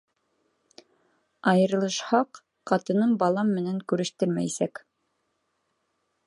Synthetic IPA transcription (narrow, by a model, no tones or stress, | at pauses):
ɑjɤ̆ɾɤ̆lˠɤ̆ʃhɑq | qːɑt̪ɤ̆nɤmbɑlˠɑmːɘ̆næŋkʉɾɘ̆ʃt̪ɘɾmæ̰jisæk